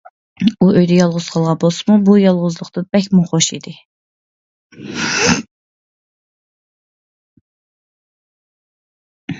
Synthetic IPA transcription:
uʔøjd̪ɛjɑlˠʁʊz̥qʰɑlˠʁɑbolˠsɨmubujɑlˠʁʊzlˠʊχt̪ɨb̥ɛkʲmuχoʃḭd̪ɪ

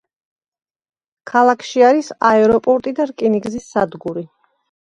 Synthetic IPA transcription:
kʰalˠakʰʃiaɾisaɛɾɔpʼɔɾt̪ʼid̪aɾkʼiniɡzisːad̪ɡuɾi

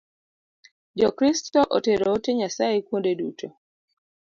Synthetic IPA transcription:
d͡ʒɔkɾistɔʔoteɾoːteɲasajekwondedṵtʰo

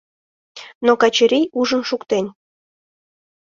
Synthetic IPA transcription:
nokɑt͡ɕəɾʲijuʒənʃukt̪enʲ

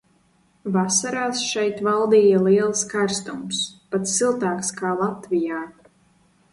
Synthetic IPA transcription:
vasaɾaːsʃɛjt̪valˠd̪iːjalˠiɛlˠskaɾst̪umspat̪ssilˠt̪aːkskaːlˠat̪vijaː

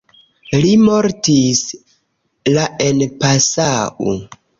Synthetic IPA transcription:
limo̞ɾtis | lae̞npasaʔo̰

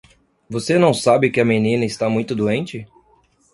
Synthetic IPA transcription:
vosenɐ̃w̃sabɪkɪɐmenĩnɐɪst̪amũj̃t̪ʊd̪uẽnt͡ʃɪ

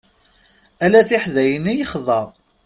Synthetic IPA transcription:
ælæθiħðæjənijəχðˤɑɾˤ

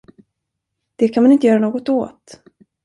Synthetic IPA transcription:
d̪̥ɛkʰanmanɪnt̪əjœːɾanoːɡɔt̪o̰ːt̪

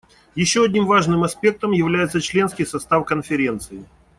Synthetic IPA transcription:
jɪɕːoɐdʲnʲimvaʐnɨmɐspʲe̞k̚t̪əmjɪvlʲæjɪt̪sət͡ɕlʲe̞nskʲɪjsɐst̪afkənfʲɪɾʲe̞nt̪sɨɪ

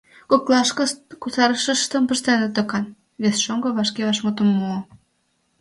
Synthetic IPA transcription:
koklˠɑʃkəʃt̪kusɑɾəʃə̆ʃt̪ə̆mpə̆ʃt̪enə̆t̪əkɑn | βesʃoŋɡɤ̆βɑʃkeβɑʃmot̪ə̆mːuo

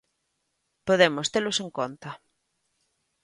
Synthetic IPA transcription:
poðemost̪eloseŋkont̪ɐ

